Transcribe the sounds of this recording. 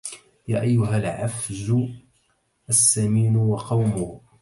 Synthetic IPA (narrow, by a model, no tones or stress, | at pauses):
ja̰ːʔajːʊɦalʕafzʊ | ʔasːamiːnwɑqɑwmʊ